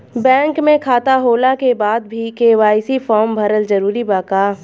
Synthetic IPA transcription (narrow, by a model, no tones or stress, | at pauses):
bɛ̃ːŋkmẽkʰaːt̪aɦoːlakebaːd̪bʱikeːʋaːɪsifʰɔːɾmbʱɐɾəld͡ʒɐɾuːɾibaːkaː